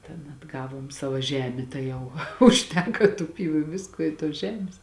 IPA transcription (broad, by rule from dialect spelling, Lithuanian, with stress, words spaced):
tʲɛn ɐdˈɡɑːʋoːm ˈsɑːʋoː ˈʒʲæːmʲeː tɐɪ ˈjɛʊ ʊʃʲˈtʲæːkɐ tʊ ˈpʲiːʋʊ ɪ ˈʋʲɪskuɔ ˈɪ tuɔs ˈʒʲæːmʲeːs